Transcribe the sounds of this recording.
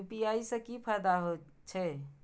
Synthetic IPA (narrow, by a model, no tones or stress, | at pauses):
pijaisə̃kipʰəɾd̪aɦo | t͡ʃʰɛ